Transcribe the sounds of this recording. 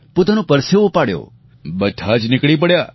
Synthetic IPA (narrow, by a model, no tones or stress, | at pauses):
pot̪anũpəɾseʋõpaɽjo̰ | bəd̪ʱʰad͡ʒnɪkɭip̬əɽja